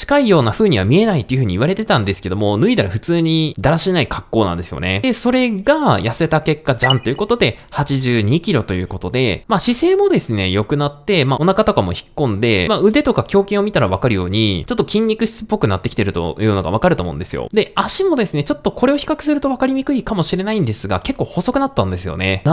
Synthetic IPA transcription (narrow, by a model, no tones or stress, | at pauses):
t͡ɕi̥kaijo̞ːnaɸɯ̟ːɲ̟iβamʲie̞nait̪o̞jɯ̟ɸɯ̟ɲ̟iβaɾe̞t̪e̞t̪ãnd̪e̞sɨ̥ke̞d̪o̞mo̞nɯ̟id̪aɾaɸɯ̟t͡sɨːɲ̟id̪aɾaɕinaikḁkːo̞ːnã̰nd̪esɨjo̞̰ne̞̰d̪e̞so̞ɾe̞ɡajase̞t̪ake̞kːad͡ʑãnt̪o̞jɯ̟kot̪od̪e̞hat͡ɕiʑɨːɲ̟ikʲiɾo̞t̪o̞jɯ̟ːko̞t̪o̞d̪e̞̰maɕise̞ːmo̞d̪e̞sɨne̞jo̞kɯ̟nat̪ːe̞maʔo̞nakat̪o̞kamo̞̰çi̥kːõ̞nd̪e̞maɯ̟d̪e̞t̪o̞kakʲo̞ːkʲĩɰ̃o̞mʲit̪aɾaβakaɾɯ̟jo̞ːɲ̟ḭt͡ɕo̞t̪ːo̞kʲĩɲʲɾʲikɯ̟ɕi̥t͡sɨ̥pːo̞kɯ̟nat̪ːe̞kʲi̥t̪eɾɯ̟t̪o̞̰jɯ̟ːno̞ɡa̰β̞akaɾɯt̪omo̞ɯ̟̰̃nd̪e̞sɨjo̰d̪e̞aɕimo̞d̪e̞sɨne̞t͡ɕo̞t̪ːo̞ko̞ɾe̞oçi̥kakɯ̟̥sɨɾɯ̟t̪o̞β̞akaɾʲimʲikɯ̟ikamo̞ɕiɾe̞naĩnd̪e̞sɨɡa̰ke̞kːo̞ːho̞so̞kɯ̟nat̪ːãnd̪e̞sɨjo̞̰ne̞